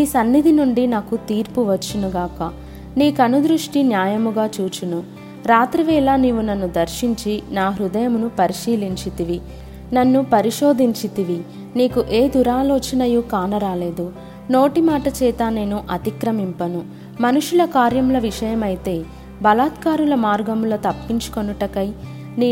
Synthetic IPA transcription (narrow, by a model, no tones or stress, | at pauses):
niːsɐnːid̪ʱinuɳɖinaːkut̪iːɾpuʋɐt͡ʃːunuɡaːkɐ | niːkɐnud̪ɾuʂʈinjaːjɐmuɡaːt͡ʃuːt͡ʃunu | ɾaːt̪ɾiʋɛːlaniːʋunɐnːud̪ɐɾʃiɲt͡ʃinaːɦɾud̪ɐjɐmunupɐɾiʂiːliɲt͡ʃit̪iʋi | nɐnːupɐɾiʂo̞ːd̪ʱiɲt͡ʃit̪iʋi | niːkuʔe̞ːd̪uɾaːloːt͡ʃɐnɐjukaːnɐɾaːle̞ːd̪u | no̞ːʈimaːʈɐt͡ʃɛːt̪ane̞ːnuʔɐt̪ikɾɐmimpɐnu | mɐnuʂulɐkaːɾjɐmlɐʋiʂɐjɐmɐjit̪e̞ː | bɐlaːt̪kaːɾulɐmaːɾɡɐmuloːt̪ɐpːiɲt͡ʃu̥konuʈɐkɐj | niː